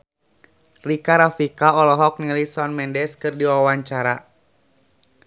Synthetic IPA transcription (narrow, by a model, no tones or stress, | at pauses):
rikaɾafikaɔlɔɦɔk̚nilisɔnmɛndɛskɨrdiwaawaɲt͡ʃaɾa